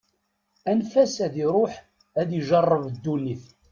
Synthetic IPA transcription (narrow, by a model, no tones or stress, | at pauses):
ænfæsæðiɾˤoħ | æðiʒɑrˤːəvd̪ːunːiθ